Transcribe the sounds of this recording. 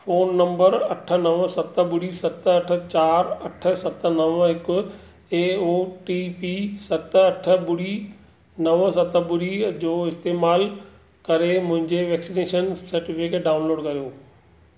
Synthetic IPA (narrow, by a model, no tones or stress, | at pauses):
foːnːɐ̃mbəɾɐʈʰə̆nɐʋsɐt̪ə̆bʊɽisɐt̪ɐʈʰə̆t͡ɕaːɾɐʈʰə̆sɐt̪ə̆nɐʋɦɪkʊ̆ | eːoːʈiːpisɐt̪ɐʈʰə̆bʊɽi | nɐʋsɐt̪əbʊɽid͡ʑoːɪst̪eːmaːl | kɐɾemʊ̃ɦɪ̃ɲd͡ʑeʋɛːksineːʃənsɐɾʈɪfɪkʈɖaːʊ̃nloːɖkɐɾijoː